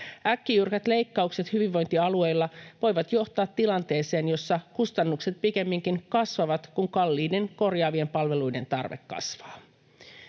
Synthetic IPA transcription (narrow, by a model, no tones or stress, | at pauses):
ʔækːijyrkæt̪le̞jkːɑukset̪hyʋiʋːo̞jnt̪iɑlue̞jlːɑʋo̞jʋɑt̪jo̞ht̪ɑːt̪ːilɑnt̪e̞ːse̞ːnjo̞sːɑkust̪ɑnːukset̪̚pike̞mːiŋkiŋkɑsʋɑʋɑt̪kuŋkɑlːiːde̞nko̞rjɑːʋie̞mpɑlʋe̞lujde̞̰nt̪ɑ̰rʋḛkːɑ̰sʋɑː